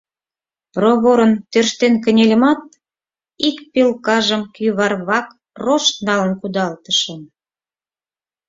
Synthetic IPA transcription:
proβoɾənt̪ørʃt̪enkə̆nʲelʲə̆mɑt̪̚ | ikpilkɑʒəmkyβɑrβɑk | roʃt̪nɑlənkud̪ɑlt̪əʃə̆m

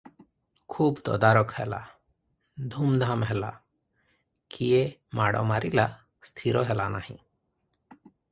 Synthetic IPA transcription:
kʰubt̪ɔ̰d̪aɾɔkhɛ̰la̰ | d̪ʱumd̪ʱamɦɛla̰ | kʰijemaɽɔ̰maɾila | st̪ʰiɾɔɦɛlanahḭ̃

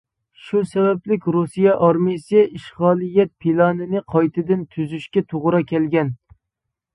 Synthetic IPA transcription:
ʃusɛbɛplɪkʲɾusijɑʔɑɾmisɨiʃʁɑːlˠijːɛt̪̚pʰilˠɑnɪnɪqʰɑjt̪ʰɪd̪ɪnt̪ʰyzyʃkʲɛt̪ʰoʁɾɑkʲʰɛlɡʲɛn

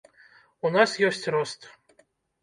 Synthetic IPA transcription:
unasjɔsʲt͡sʲrɔst̪

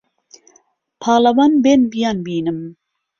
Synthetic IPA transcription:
pʰɑːlɐwɑːnbeːnbijɑːnbiːnɨm

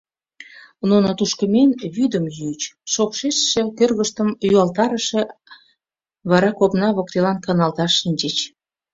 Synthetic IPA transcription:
nunot̪uʃkəmenβyd̪əmjyt͡ɕʃokʃeʃːekørɣəʃt̪əmjyuɑlt̪ɑɾəʃe | βɑɾɑkopnɑβok̚t̪elɑnkɑnɑlt̪ɑʃːinʲt͡ɕet͡ɕ

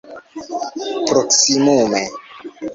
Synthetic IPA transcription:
pɾoksimume

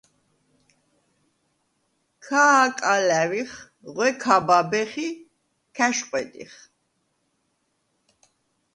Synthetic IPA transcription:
kʰaːkʼalæviχ | ʁwɛkʰababɛχi | kʰɛʃqʼwɛt̪ʼḭχ

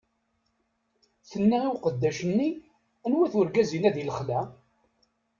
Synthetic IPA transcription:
θənːaiwqəd̪ːæʃənːi | ænwæθʊɾɡæzinæðiləχlæ

